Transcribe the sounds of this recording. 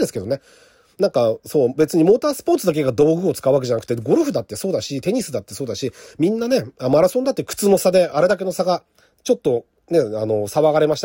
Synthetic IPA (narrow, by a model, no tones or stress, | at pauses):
d̪esɨ̥ke̞d̪o̞ne̞ | nãŋkaso̞ːbe̞t͡sɨɲ̟imo̞ːt̪aːsɨ̥po̞ːt͡sɨd̪ak̬e̞ɡad̪o̞ːɡɯ̟ot͡sɨ̥kaɯ̟βak̬e̞ʑanak̟t̪eɡo̞ɾɯ̟ɸɯ̟d̪at̪ːe̞so̞ːd̪aɕit̪e̞ɲ̟isɨd̪at̪ːe̞so̞ːd̪aɕimʲĩnːane̞anmaɾaso̞nd̪at̪ːekɯ̥t͡sɨnosad̪e̞aɾe̞d̪ake̞no̞saɡa | t͡ɕo̞t̪ːo̞ | ne̞ano̞saβaɡaɾe̞maɕi̥t̪a